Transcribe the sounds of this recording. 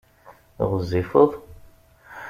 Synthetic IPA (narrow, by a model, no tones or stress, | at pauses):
ʁəzifəðˤ